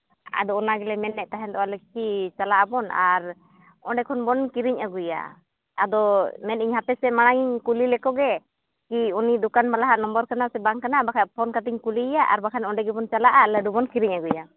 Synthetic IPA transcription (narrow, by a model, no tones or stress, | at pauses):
a̰d̪ɔɔnaɡɛlɛmɛnːɛʔt̪aɦɛnd̪ɔwalɛkit͡ʃalaʔabɔna̰ɾ | ɔɖɛkʰɔnbɔnkiɾiɲʔaɡuja̰ | ad̪ɔmɛniɲɦapɛsɛmaɽ̃aŋiɲkulilɛkɔɡɛ | kiunid̪ɔkanbalaɦaʔnɔmbɔɾkanasɛbaŋkanabakʰajpʰɔnkat̪iɲkulijaʔa̰ɾbakʰanɔɖɛɡɛbɔnt͡ʃalaʔalaɖubɔnkiɾiɲaɡuja